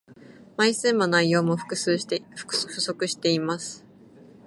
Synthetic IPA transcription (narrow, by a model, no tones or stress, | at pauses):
maisɨ̃mːonaijo̞ːmo̞ɸɯ̥kɯ̟s | ɸɯ̟so̞kɯ̟ɕi̥t̪e̞imasɨ̥